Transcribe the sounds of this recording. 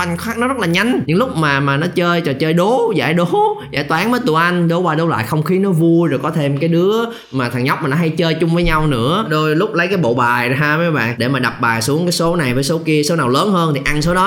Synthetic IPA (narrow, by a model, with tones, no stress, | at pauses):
ʔa˧ŋ̟xwaː˦˥k̚nɔ˨˦zə˦˥t̚laː˨˩ɲa˧jŋ̟ɲɨ̰˧˥ŋlʊ˦˥k͡p̚maː˨˩maː˨˩nɔ˨˦t͡ɕəː˧jt͡ɕɔ˨˩t͡ɕəː˧jɗo˨˦za̰ː˧˩jɗo˨˦za̰ː˧˩jt̪waː˨˦nvəː˨˦jt̪u˧˩ʔa˧jŋ̟ɗo˨˦waː˧ɗo˨˦wla̰ː˧˨jxə˧wŋ͡mxi˨˦nɔ˨˦vu˧jzo˨˩jkɔ˨˦t̪ʰe˧mkaː˨˦jɗɨ˨˦ə | maː˨˩t̪ʰa˨˩ŋɲa˦˥wk͡p̚maː˨˩nɔ˨˦ɦa˧jt͡ɕəː˧jt͡ɕʊ˧ŋ͡mvəː˨˦jɲa˧wnɨ̰˧˥əɗo˧jlʊ˦˥k͡p̚lə˨˦jkaː˨˦jɓo̰˧˨ɓaː˨˩jɦaː˧maː˨˦ɓa̰ː˧˨ŋɗe˧˩maː˨˩ɗa˨˩p̚ɓaː˨˩su˨˦əŋkaː˨˦jso˨˦na˨˩jvəː˨˦jso˨˦ki˧əso˨˦naː˨˩wləː˨˦nhəː˧nt̪ʰi˨˩ʔa˧nso˨˦ɗɔ˨˦